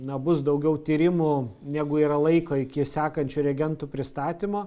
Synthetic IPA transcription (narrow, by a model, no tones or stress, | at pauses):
nɐbʊsd̪ɐʊɡʲɛʊt̪ʲiːɾʲɪmʊnʲæːɡʊiːɾɐlˠɐɪkoːɪkʲɪsʲæːkɐnʲt͡ʃʲuɾʲɛɡʲɛnt̪upʲɾʲɪst̪ɑːt̪ʲimoː